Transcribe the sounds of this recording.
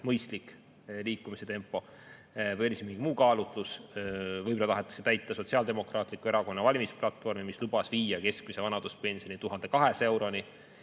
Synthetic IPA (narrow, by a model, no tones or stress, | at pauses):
mɤjst̪lik | liːkːˑumise̞t̪e̞mpːˑo̞ | vɤjo̞lʲismiŋɡ̥imuːkɑːlut̪lus | vɤjbolɑt̪ɑɦet̪ːˑɑ̥set̪æjt̪ˑːɑso̞t̪ʲsiɑld̪̥e̞mo̞krɑːt̪ˑlikueɾɑko̞nːɑvɑlʲimisplɑt̪ːˑfo̞rmimislub̥ɑsviːjɑke̞skmise̞vɑnɑd̪̥uspe̞nʲsijo̞nit̪uɦɑnd̪e̞kɑɦe̞se̞wɾo̞ni